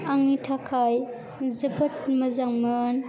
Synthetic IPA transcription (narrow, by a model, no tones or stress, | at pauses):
aŋitʰakʰaj | zəbət̚mɐzaŋmən